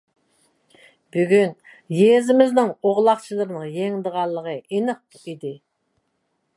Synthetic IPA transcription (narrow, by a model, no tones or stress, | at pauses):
byɡʲyn | jezɪmɪznɪŋoʁlˠɑqt͡ʃʰɨlˠəɾnɨŋjeŋd̪əʁɑlˠːəʁəʔinəq̚t | id̪ɪ